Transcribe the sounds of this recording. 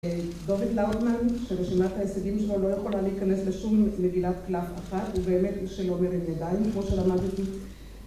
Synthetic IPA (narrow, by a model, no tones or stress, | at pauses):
d̪oved̪lawtmanʃeʁeʃimat̪hajeseɡimʃelolo̞jeχo̞laleikane̞sle̞ʃumːeɡilat̪klafaχatubeːmet̪ʃelo̞meɾedjadaimkmo̞ʃelamad̪it̪i